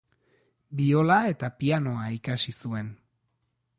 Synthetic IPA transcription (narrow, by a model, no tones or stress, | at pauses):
bio̞lae̞t̪apiano̞aikasisue̞n